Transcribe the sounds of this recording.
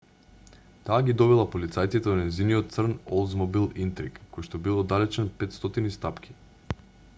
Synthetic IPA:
t̪aːɡʲid̪ɔvɛlˠapolit̪sajt̪sit̪ɛɔnɛziniɔt̪̚t̪sr̩nɔlˠzmɔbilˠint̪ɾikːɔjʃt̪ɔbilˠɔd̪alɛt͡ʃɛnpɛt̪st̪ɔt̪inist̪apkʲʰi̥

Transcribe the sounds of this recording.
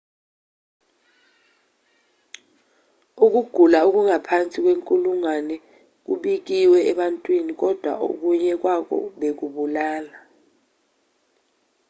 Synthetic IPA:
uk̬uɡ̥ʱulauk̬uŋapʰant͡sʼik̬weŋkʼuluŋwanɛ | k̬ṵɓik̬iwɛɛɓantʼwinik̬ɔd̥ʱwa̰ʔṵk̬uɲɛk̬wak̬ɔ̰ɓek̬uɓulaːla

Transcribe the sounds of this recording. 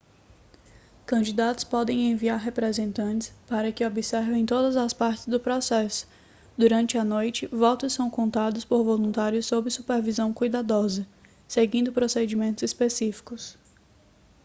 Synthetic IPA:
kɐ̃d͡ʒid̪at̪ʊ̥spɔd̪ẽj̃ẽviaɾɦepɾezẽnt̪ɐ̃nt͡ʃɪ̥spaɾɐkɪobisɛɾvẽj̃t̪od̪ɐzɐspaɾt͡ʃɪzd̪ʊpɾɔsɛsʊ̥ | d̪uɾɐ̃nt͡ʃɪɐnojt͡ʃɪvɔt̪ʊssːɐ̃w̃kõnt̪ad̪ʊspoɾvolũnt̪aɾjʊsːobɪsupeɾvizɐ̃w̃kujd̪ad̪ɔzɐ | seɡĩnd̪ʊpɾosed͡ʒimẽnt̪ʊz̥ispesifi̥kʊs

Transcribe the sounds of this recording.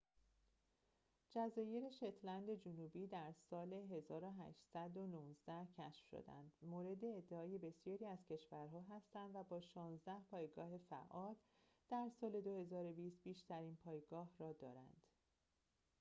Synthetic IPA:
d͡ʒæzɒːje̞ɾeʃet̪ʰlænd̪e̞d͡ʒunuːbiːd̪æɾsɒːle̞ɦe̞zɒːɾoɦæ̰ʃsæd̪o̞nuːzd̪æhcʰæʃfʃo̰d̪æ̰nd̪moːɾe̞d̪e̞ːd̪ːeɒːje̞be̞sijɒːɾiːæzcʰe̞ʃvæɾɦɒːɦæst̪ænd̪væbɒːʃɒːnzd̪æhpʰɒːjeɡɒːɦe̞fæ̰ʔɒːl | d̪̥æɾsɒːle̞d̪o̞he̞zɒːɾo̞biːst̪̚biːʃt̪æɾiːnpʰɒːjeɡɒːhrɒːd̪ɒːɾæ̰nd̪̥

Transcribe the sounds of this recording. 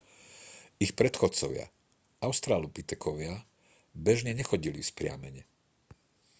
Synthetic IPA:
ixpɾɛt̪xɔtt͡sɔʋɪa̰ | aʊst̪ɾaːlupit̪ɛkʰɔʋɪa | bɛʒɲɛɲɛxɔɟilispɾɪa̰mɛɲɛ

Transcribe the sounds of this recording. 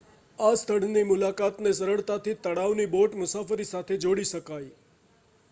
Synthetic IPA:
ast̪ʰəɽ̤nimʊlakat̪nesəɾəɭt̪at̪ʰit̪əɽaʋniboʈmʊsafəɾisat̪ʰed͡ʒoɽiʃəkaj

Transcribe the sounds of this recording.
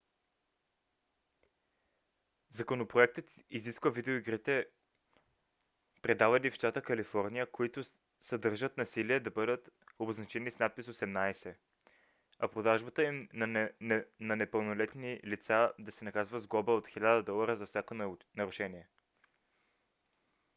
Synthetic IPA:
zɐkonopɾoɛk̚t̪ət̪iziskvəvid̪ɛoiɡɾit̪ɛ | pɾɛd̪avɐd̪ifʃt̪at̪əkɐlifɔɾnijəkoit̪ʊ | sɐd̪ɤɾʒət̪nɐsiliɛd̪ɐbɤd̪ət̪oboznɐt͡ʃɛnisnat̪̚pisosɛmnajsɛ | ɐpɾod̪aʒbət̪əimn | nɐnɛpəlˠnolɛt̪nilit̪sad̪ɐsɛnɐkazvəzɡɔbəot̪xilʲad̪əd̪ɔlˠɐɾəzɐfsʲakonɐɾʊʃɛniɛ

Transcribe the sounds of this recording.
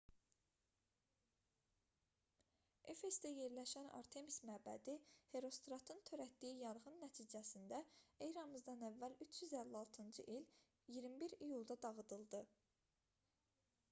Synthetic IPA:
e̞fe̞sd̪æje̞ɾlæʃænɑ̰ɾt̪ʰe̞mismæbæ̰d̪ihe̞ɾo̞st̪ɾɑt̪ʰɯnt̪ʰø̞ɾæt̪d̪ijijɑɾʁɯnːæt̪ʰiːd͡ʒæsind̪æejɾɑmɯzd̪ɑnævːælyt͡ʃʰjyzælːiɑlˠt̪ʰɯnd͡ʒɯʔil | ijiɾmibiɾijulˠd̪ɑd̪ɑʁɯd̪ɯlˠd̪ɯ

